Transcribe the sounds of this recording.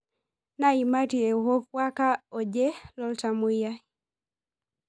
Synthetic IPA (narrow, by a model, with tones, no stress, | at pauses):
na˦ima˦ti˨ɛ˨uhɔ˦kwa˦ka˦ɔ˨d͡ʒɛ˦lɔ˦lta˨mwi˦ja